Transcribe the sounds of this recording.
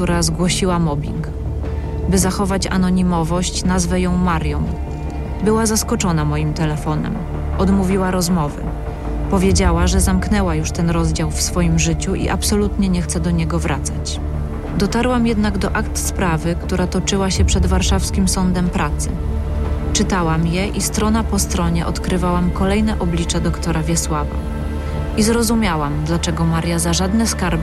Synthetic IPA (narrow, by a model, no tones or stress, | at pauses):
kt̪uɾazɡwɔɕiwamɔbʲḭŋk | bɘzaxɔvat͡ɕa̰nɔɲimɔvɔɕt͡ɕnazvɛjɔ̃w̃maɾjɔ̃w̃ | bɘwazaskɔt͡ʂɔnamɔjimt̪ɛlɛfɔnɛ̰m | ɔd̪muvʲiwaɾɔzmɔvɘ̰ | pɔvʲjed͡ʑawaʐɛzamknɛwajuʂt̪ɛnɾɔzd͡ʑawfsfɔjimʐɘt͡ɕuʔḭʔapsɔlut̪ɲɛɲɛxt̪sɛd̪ɔɲɛɡɔvɾʔat̪sat͡ɕ | d̪ɔt̪aɾwamjɛd̪naɡd̪ɔʔakt̪spɾavɘkt̪uɾat̪ɔt͡ʂɘwaɕɛpʂɛd̪vaɾʂafskʲimsɔnd̪ɛmpɾʔat̪sɘ̰ | t͡ʂɘt̪awamjɛʔist̪ɾɔnapɔst̪ɾɔɲɛʔɔt̪kɾɘvawamkɔlɛjnɛʔɔblʲit͡ʂɛd̪ɔkt̪ɔɾavʲjɛswava̰ | izɾɔzumʲjawamd̪lat͡ʂɛɡɔmaɾʲjazaʐad̪nɛskaɾb